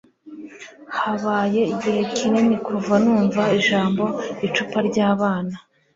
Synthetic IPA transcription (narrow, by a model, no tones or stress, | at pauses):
haβaːje̞iɟihe̞cʰinenikuvanuːɱvaiʒaːmbo̞it͡ʃupaɾɟaːβaːna